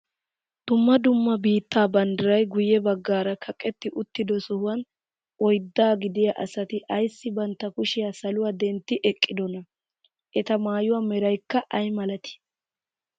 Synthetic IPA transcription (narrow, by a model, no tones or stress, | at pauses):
d̪̥ʊmːɐd̪ʊmːɐbiːt̪ːaːbɐnd̪ɐɾɐjɡʊjɛbɐɡːaːɾɐkʰɐkʼɛt̪ːɪʔʊt̪ːɪd̪ɔsɔhʊwɐn | ɔjd̪ːaːɡɪd̪ɪjɐʔɐsɐt̪ɪʔɐjsːɪbɐnt̪ːɐkʊʃɪjaːsɐlʊwaːd̪ɛnt̪ːɪʔɛkʼːɪd̪ɔnɐ | ʔɛt̪ɐmaːjʊwaːmɛɾɐjkːɐʔɐjmɐlɐt̪ɪ̥